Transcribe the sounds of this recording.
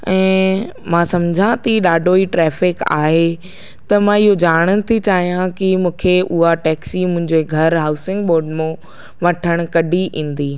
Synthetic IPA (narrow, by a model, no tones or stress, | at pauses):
ɛ̃ː | mãsɐmd͡ʑʱãt̪iɗaːɖʱoiʈɾɛːfɪka̰ːɦe | t̪ɐmãɪɦod͡ʑaːɽ̃ənɪ̆t̪ʰit͡ɕaːɦijãkimũːkʰeʔʊɦaʈɛːksimʊ̃ɦɪ̃ɲd͡ʑeɡʱɐɾɦaːʊsɪ̃ŋɡ̚ɓoːɾɖmẽ | ʋɐʈʰəɽ̃kɐɖʱiʔĩːn̆d̪iː